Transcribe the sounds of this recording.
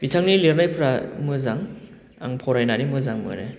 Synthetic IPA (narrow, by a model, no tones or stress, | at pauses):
bitʰaŋnileɾnajpʰɯɾamɯzaŋ | a̰ŋpʰɔɾajnanimɯzaŋmɯ̰nḛ